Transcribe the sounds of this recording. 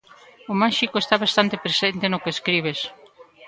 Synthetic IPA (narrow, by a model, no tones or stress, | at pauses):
omaʃikoest̪aβast̪ant̪epɾesent̪enokeːskɾiβ̞es